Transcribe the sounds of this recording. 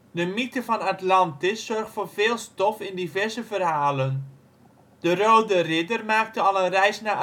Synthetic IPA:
dəmitəvɑnatlɑntɪsːɔɹχtfoːrveːlˠstɔfɪndivɛɹzəvərɦaːlən | d̥ərowdərɪdərmaːk̚təɑlˠənrɛjsnaʔ

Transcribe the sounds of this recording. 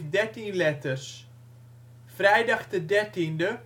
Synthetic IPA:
dɛɹtinlɛtərs | frɛjdɑχtədɛɹtində

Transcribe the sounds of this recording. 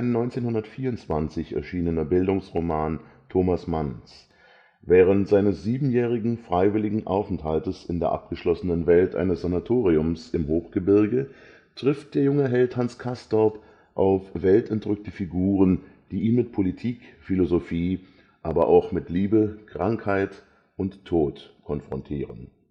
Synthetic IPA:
aɪnːɔʏnt͡seːnhʊndɐtfiːɐʊnt͡sv̥ant͡sɪçɛ̰ɐʃiːnənɐbɪldʊŋsʁomaːntʰoːmasmans | vɛːʁ̞əntz̥aɪnəsz̥iːbm̩jɛːʁ̞ɪɡŋ̩fʁ̥aɪvɪlɪɡŋ̩ʔa̰ʊfn̩thaltəsɪndeːɐʔa̰p̚ɡ̥əʃlɔsənənvɛltʔa̰ɪnəsz̥anatʰoːʁiʊmsɪmhoːxɡ̥əbɪɐɡə | tʁ̥ɪft̚d̥eːɐjʊŋəɦɛlthanskʰastɔp | ʔaʊfvɛltɛntʁʏk̚təfiɡuːʁənd̥iːʔiːnmɪt̚pʰolitʰiːkfilozofiː | ʔaːbɐʔaʊxmɪtliːbəkʁ̥aŋkhaɪt | ʊntʰːoːtkʰɔnfʁ̥ɔntʰiːʁən

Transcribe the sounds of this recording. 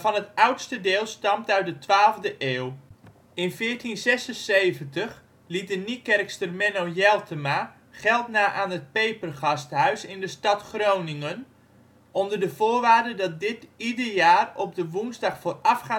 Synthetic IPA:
vɑnɦətʌwtstədɪːlˠstɑmtœɥt̚dətʋaːlˠvdəʔeːw | ɪnfɪːɹtinzɛsənsejvəntəχ | lit̚dənikɛrkstərmɛnojɛlˠtʰəma | χɛlˠtnaːʔaːnət̚pejpərχɑstɦœɥsɪndəstɑtχrownɪŋən | ɔndərdəv̥oːrʋaːrdədɑt̚dɪtidərjaːrɔb̚dəʋunzdɑχfoːrɑfχaː

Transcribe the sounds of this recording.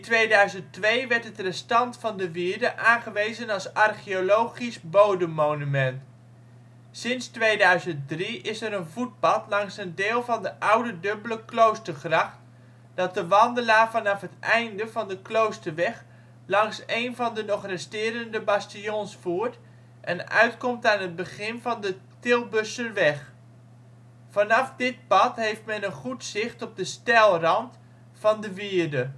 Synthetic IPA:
ɪntʋejdœɥzəntʋejʋɛɹtɦətrɛstɑntfɑndəʋɪːɹdəʔaːnχəʋejzənɑlˠsɑrχiolowχisbowdəmːonymɛnt | sɪnstʋejdœɥzənt̚driʔɪsəɾənvut̚bɑtlɑŋsəndeɪːlˠvɑndəʔʌwdədɵbələklowstəɹχrɑχt | d̥ɑt̚dəʋɑndəlaːɹvɑnɑfɦətɛjndəvɑndəklowstəɹʋɛχ | lɑŋsejnvɑndənɔχrɛstɪːɾəndəbastijonsfuəɹt | ʔɛnœ̰ɥtkɔmtaːnɦəd̚bəχɪnvɑndətɪlˠbøsənʋɛχ | fɑnɑfdɪt̚pɑtɦejftmɛnənχutsɪχtɔp̚dəstɛlˠrɑnt | fɑndəʋiədə

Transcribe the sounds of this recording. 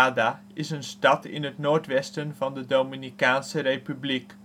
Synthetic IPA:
ada | ɪsənstɑtɪ̰nɦətnoːɹtʋɛstənvɑndədowminikaːnsərejpyblik

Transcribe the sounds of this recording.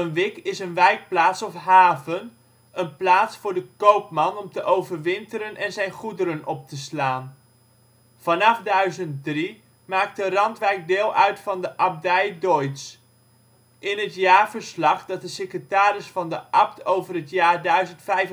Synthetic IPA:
ənʋɪkɪsənʋɛjk̚plaːtsɔfɦaːvən | ənplaːtsfʊːɹdəkowpmɑnɔmtəʔowvəɹʋɪntəɾənʔɛnzɛjnχudəɾənɔp̚təslaːn | v̥ɑnɑfdœɥzənt̚dri | maːk̚tərɑntʋɛjk̚dɪːlˠʔœɥtfɑndəʔɑp̚dɛjdɔjts | ʔɪnətjaːɹvəɹslɑχd̥ɑt̚dəsekrətaːɾɪsfɑndəʔɑp̚tʰowvərɦətjaːɹdœɥzəntfɛjf

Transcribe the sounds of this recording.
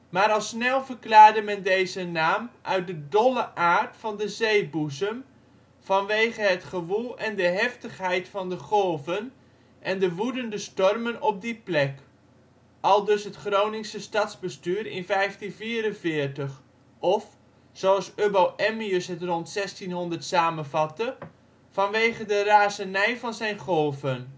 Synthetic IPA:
maːɾɑlˠsnɛlˠvərklaːrdəmɛndejzənaːmʔœɥt̚dədɔlˠəʔaːrtfɑndəzejbuzəm | vɑnʋejχəɦətχəʋulˠɛndəɦɛftəχɦɛjtfɑndəχɔlˠvən | ʔɛndəʋudəndəstɔrmənɔp̚diplɛk | ʔɑlˠdøsɦətχrownɪŋsəstɑtzbəstyːɾɪ̰nfɛjftinfiːɾənvɪərtəχ | ɔf | sowɑlˠsøbowʔɛmiøsɦətrɔntsɛstinɦɔndərtsaːmənvɑtə | fɑnʋejχədəraːzənɛjvɑnzɛjnχɔlˠvən

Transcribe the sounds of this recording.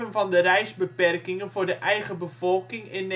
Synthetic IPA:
ənvɑndərɛjzbəpɛrkɪŋənvʊːrdəʔɛjɣəbəv̥ɔlˠkɪŋɪn

